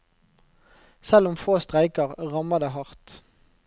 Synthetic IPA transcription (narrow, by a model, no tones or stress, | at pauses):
sɛlʊmfoːst̪ʁæɪkəʁʁɑməd̪eːhɑʁt̪